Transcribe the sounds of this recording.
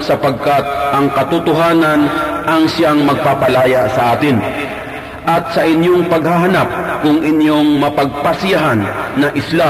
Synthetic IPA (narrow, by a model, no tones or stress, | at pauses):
sɐpɐɡ̚kat̪̚ʔɐŋkɐt̪ʊt̪ʊɦaːnɐnʔɐŋsjaŋmɐɡ̚papɐlaːjasɐʔaːt̪ɪn | ʔɐt̪̚sɐʔɪnjoŋpɐɡ̚haɦanap̚kʊŋʔɪnjoŋmɐpɐɡ̚pɐsɪjaɦanːɐŋʔɪsla